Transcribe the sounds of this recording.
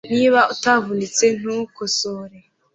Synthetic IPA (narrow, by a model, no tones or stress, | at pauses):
niːβautavunit͡se̞n̥ukosoɾe